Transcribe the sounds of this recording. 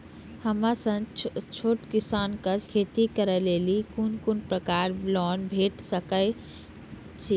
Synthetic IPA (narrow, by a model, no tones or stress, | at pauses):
həmasə̃ŋt͡ʃʰoʈkisankəkʰet̪ikəɾəlelikunkunpɾəkaɾblɔnbʱeʈsəkə | t͡ʃʰi